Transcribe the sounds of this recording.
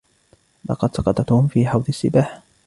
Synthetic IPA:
lɑ̰qɑd̪sɑqɑt̪ˤɑt̪uːmfiːħɑwðˤɨsːɪbaːħ

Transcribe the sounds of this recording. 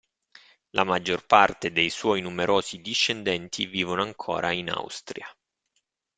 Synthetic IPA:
lʔamad͡ʒːorpart̪ed̪ejswɔjnumeɾʔoːsid̪iʃːend̪ɛnt̪ʰiviːvonoaŋkʰo̰ːɾaina̰wst̪ɾia

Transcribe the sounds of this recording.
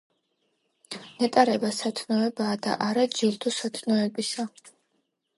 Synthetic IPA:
nɛt̪ʼaɾɛbasat̪ʰnɔɛbaːd̪a̰ʔaɾad͡ʒilˠt̪ʰusat̪ʰnɔɛbisa

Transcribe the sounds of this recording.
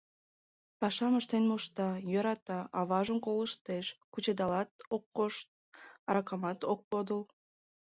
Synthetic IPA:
pɑʃɑməʃt̪enmoʃt̪ɑjøɾɑt̪ɑʔɑβɑʒəmkolˠɯʃt̪eʃkut͡ʃed̪ɑlˠɑt̪oqːoʃt̪̚ | ɑɾɑkɑmɑt̪oq̚pod̪əlˠ

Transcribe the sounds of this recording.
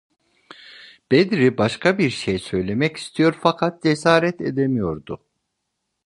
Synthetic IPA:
b̥ed̪ɾibaʃkʰabiɾʃejsø̞jlʲe̞mɛci̥st̪ʰijo̞ɾfakʰat̪̚d͡ʒesaːɾɛt̪ʰed̪emijo̞ɾd̪ʊ

